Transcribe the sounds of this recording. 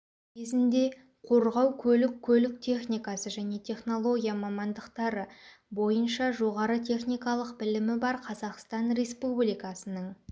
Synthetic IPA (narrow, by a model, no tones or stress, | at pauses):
kʲʰe̞zɪnd̪e̞ | qʰo̞ɾʁɑwkʲʰɵlɪkʲʰːɵlɪk̚t̪ʰe̞χnijkɑsəʒæne̞t̪ʰe̞χno̞lˠo̞ɡʲijamɑmɑnd̪əqt̪ɑɾəbo̞jənʃɑʒo̞ʁɑɾət̪ʲʰe̞χnijkɑlˠəqbɪlɪmɪbɑɾqʰɑzɑqst̪ɑnɾe̞spublijkɑsənəɴ